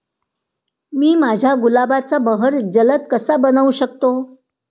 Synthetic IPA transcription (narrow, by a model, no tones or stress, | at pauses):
miːmad͡ʑʱjaɡulabat͡sabəɦəɾd͡zələt̪̚kəsabənəuɕək̚t̪o